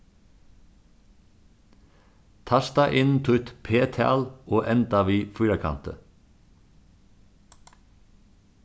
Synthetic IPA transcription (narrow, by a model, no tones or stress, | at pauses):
t̪ʰɑst̪ɑʔɪnn̩t̪ʰʉt̪pʰeːt̪ʰæ̰ːloːʔɛnd̪ɑʋiːfʉːɾɑkʰɑ̰nt̪ə